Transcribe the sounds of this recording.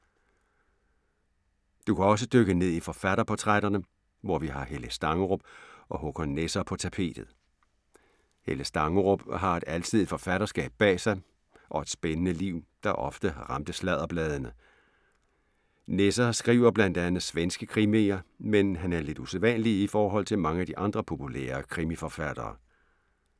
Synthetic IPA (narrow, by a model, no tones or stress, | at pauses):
d̥ukʰæɒ̽s̬əd̥øɡ̥əne̝ð̰ˠifɒ̽fæɾ̥ɐpʰɒ̽t͡sʰʁaɾ̥ɐnə | ʋɒʋiɦɑ̈heləsd̥ɑ̈ŋʁob̥̚ɒ̽hɔɡ̥ɒnesɐpʰɒ̽t͡sʰæpʰe̝̰ːd̥ð̩ˠ | heləsd̥ɑ̈ŋʁob̥ɦɑ̈e̝d̥æl̰t͡sʰið̞̰ˠifɒ̽fæɾ̥ɐsɡ̥ɛ̰ːb̥̚ːɛ̰ːsɑ̈ɪ | ʔɒ̽e̝d̥sb̥enənəliʊ̰d̥ɑ̈ʔɒ̽fd̥əʁɑ̈md̥əslɛðˠɐb̥lɛːð̞ˠənə | nesɐsɡ̥ʁḭːʊ̰ɐb̥lænd̥ænð̩ˠsʋensɡ̥əkʰʁimeɐmenɦænæɐle̝d̥useðˠʋænliifɒːɦɒ̽l̰t͡sʰe̝lmɑ̈ŋəæd̥iʔɑ̈nd̥ʁɐpʰo̝pʰulɛ̰ːɐkʰʁimifɒ̽fæd̥ɐ̰ː